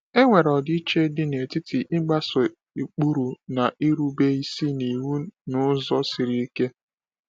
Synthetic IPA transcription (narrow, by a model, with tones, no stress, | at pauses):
e˦ŋʷe˨ɾɔ˨dɪ˦i˦t͡ʃe˦dɪ˦n˨e˨ti˦tʰi˨ʔɪ˦ɡ͡ba˦so˨ | e˨k͡pu˦ɾu˨na˨ʔi˦ɾu˦be˦i˦si˦ni˨wu˦nʊ˦zɔ˦si˨ɾi˦i˦ke˦